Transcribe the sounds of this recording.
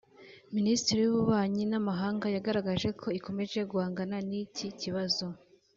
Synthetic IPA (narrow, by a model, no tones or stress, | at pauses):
ministiɾijuβuβaːɲinamaɦaːŋɡajaɡaɾaɡaʒe̞kʰo̞iko̞meʒe̞ɡuaːŋɡananiciciβazo̞